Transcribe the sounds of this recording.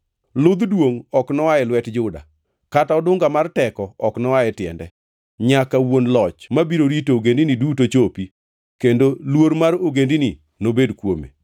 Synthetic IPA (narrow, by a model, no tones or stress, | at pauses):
lʊd̪dwoŋɔknɔwaɛlwɛtd͡ʒʊda̰ | kataɔdʊŋɡamartɛkɔɔknɔwaɛtɪɛ̰ndɛ̰ | ɲakawonlɔt͡ʃmabiɾoɾitooɡendinidutot͡ʃopi | kendolwoɾmaɾoɡendini | nobedkwo̰mḛ